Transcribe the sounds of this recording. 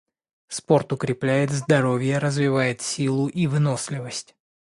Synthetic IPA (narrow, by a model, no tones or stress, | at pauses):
spo̞rt̪ʊkɾʲɪplʲæjɪt̪zd̪ɐɾo̞vʲɪjəɾəzvʲɪvajɪt̪sʲilˠʊʔivɨno̞slʲɪvəsʲtʲ